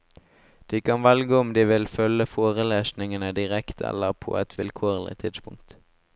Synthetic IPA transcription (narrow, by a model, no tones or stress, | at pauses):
d̪̥iːkʰɑnʋɛlɡəʊmd̪iːʋɪlfœləfoːʁəleːsnɪŋənəd̪ɪʁɛkt̪ʰɛ̰ləʁpʰo̰ːɛt̪ʰʋɪlkʰoːʁlɪ̰t̪ʰɪd̪spʰʊŋk̚t̪